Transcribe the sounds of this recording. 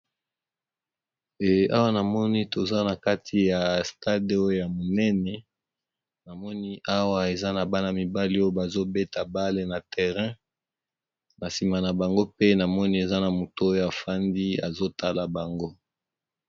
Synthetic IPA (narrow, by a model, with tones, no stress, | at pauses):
e˨a˦wa˦na˨mɔ˦ni˦to˨za˦na˨ka˦tʰi˨ja˨sta˦de˨o˦jo˦ja˨mo˨nɛ˦nɛ˨ | na˨mɔ˦ni˦ʔa˦wa˦e˨za˦na˨ba˦na˨mi˨ba˦li˦o˦jo˦ba˨zo˦be˦ta˨ba˦le˦na˨tɛ˨ʁɛ̃˦ | na˨si˨ma˨na˨ba˨ŋɡo˦pe˦na˨mɔ˦ni˦e˨za˦na˨mo˨to˦o˦jo˦a˨fa˦ndi˦a̰˨zo˦ta˦la˨ba˨ŋɡo˦